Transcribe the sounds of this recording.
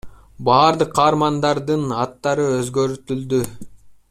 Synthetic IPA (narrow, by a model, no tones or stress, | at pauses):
bɑːɾd̪ɯqʰːɑːɾmɑnd̪ɑɾd̪ɯnɑt̪ːɑɾɯøzɡø̞ɾt̪yld̪y